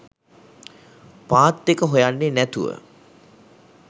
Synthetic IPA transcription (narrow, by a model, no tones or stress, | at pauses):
paːt̪ːekəɦojanːenæt̪uʋə̰